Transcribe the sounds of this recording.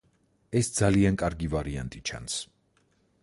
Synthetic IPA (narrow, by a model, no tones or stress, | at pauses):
ɛsd̪zaliankʼaɾɡivaɾia̰nt̪ʼit͡ʃʰa̰ns